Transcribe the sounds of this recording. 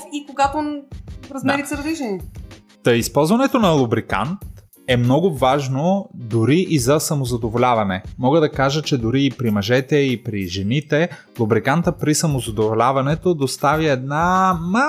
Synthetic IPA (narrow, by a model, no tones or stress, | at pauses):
ikoɡat̪oɾɐzmɛɾit̪səɾɐd̪iʒɛni | t̪əispɔlˠzvɐnɛt̪onɐlˠubɾika̰nt̪ | ɛmnɔɡʊvaʒnod̪ʊɾiʔizɐsɐmozɐd̪ovolʲavɐnɛmɔɡəd̪ɐkaʒət͡ʃɛd̪ʊɾiːpɾimɐʒɛt̪ɛipɾiʒɛnit̪ɛ | lˠubɾikant̪əpɾisɐmozɐd̪ovolʲavɐnɛt̪od̪ost̪avjiɛd̪nama